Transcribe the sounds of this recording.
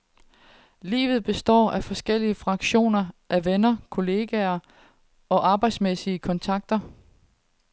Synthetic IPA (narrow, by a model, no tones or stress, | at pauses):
lḭːʋð̞̩ˠb̥e̝sd̥ɒ̰ːæfɒ̽sɡ̥el̰iəfʁɑ̈ɡ̥ɕo̝̰ːnɐʔæʋenɐkʰo̝le̝ɡ̥æɐ | ɒ̽ʔɑ̈ːb̥ɑ̈ɪ̰d̥smesiəkʰɒ̽nt͡sʰɑ̈ɡ̥̚d̥ɐ